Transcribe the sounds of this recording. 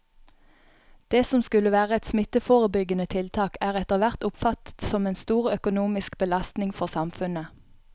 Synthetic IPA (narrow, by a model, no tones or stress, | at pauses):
d̪̥eːsɔmskʉləʋæːʁəɛt̪smɪt̪əfoːʁəbʏɡənət̪ʰɪlt̪ʰɑːkæːʁɛt̪əʁʋæʁt̪ʊpfɑt̪ə̥t̪sɔmeːnst̪uːʁœkʊnuːmɪskbəlɑst̪nɪŋfɔʁsɑmfʉnə